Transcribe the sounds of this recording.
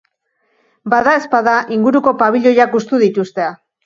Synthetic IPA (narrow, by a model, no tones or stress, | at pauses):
baðae̞spaðaʔiŋɡuɾuko̞paβ̞iʎo̞jakust̪uðit̪ust̪e̞a